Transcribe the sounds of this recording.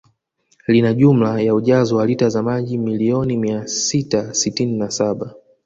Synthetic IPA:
linaʄum̩lajauʄazɔwalitazamaʄimiliɔnimiasitasitininasaɓa

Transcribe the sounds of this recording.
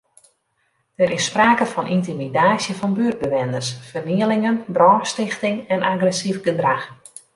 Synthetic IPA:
d̥əɾɪspraːkəfɔnʔintimidaːsjəfɔnbyd̚bəʋɛndərsfərniəlɪŋənbrɔːstɪxtɪŋɛnʔaɡrɛsifɡədrax

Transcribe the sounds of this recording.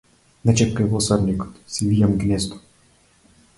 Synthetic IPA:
nɛt͡ʃɛp̚kɛvɔsɔɾnikɔ̥t̪sivijamɡnɛzd̪ɔ̥

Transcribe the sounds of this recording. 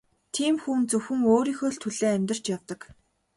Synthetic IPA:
t̪ʰiːmxuːnt͡sɵwxɘ̆ŋoːɾiːxoːɮt̪ʰɵɮeːæmʲt̪ə̆r̥t͡ɕjawt̪ə̆k

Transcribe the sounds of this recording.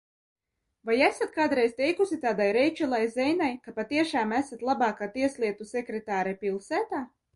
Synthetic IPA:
vajæsat̪̚kaːd̪ɾejz̥t̪ɛjkusit̪aːd̪ajɾɛjt͡ʃɛlˠajzɛjnajkapat̪iɛʃaːmæsat̪lˠabaːkaːt̪iɛslˠiɛt̪usɛkɾɛt̪aːɾɛpilˠsæːt̪aː

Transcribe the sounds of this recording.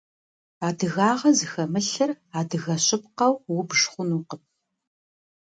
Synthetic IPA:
aːdɨɣaːʁɐzɨxɐmɨɬɨr | aːdɨɣɐɕʼɪp̚qɐwwʊbʂχʷʊnuːqəp̚

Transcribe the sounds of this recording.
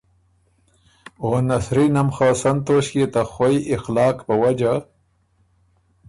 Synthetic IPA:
oːnasɾinɐmxɑːsant̪oːɕket̪axwajʔɪxlɑːkpəwad͡ʒa

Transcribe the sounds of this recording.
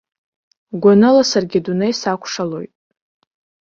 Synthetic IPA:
ɡʷanɨlasarɡʲɪdunejsakʷʰʂalo̞jtʼ

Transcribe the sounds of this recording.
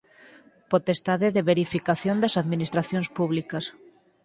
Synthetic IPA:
pot̪est̪aðɪðɪβeɾifikaθjond̪ɐsaðminist̪ɾaθjõŋspuβlikɐs

